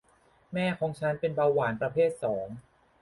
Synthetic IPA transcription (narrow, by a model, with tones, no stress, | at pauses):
mɛː˥˩kʰɔː˩˦ŋt͡ɕʰa˦˥npe˧nbaː˧waː˩˦npɾa˧pʰeː˥˩t̪̚sɔː˩˦ŋ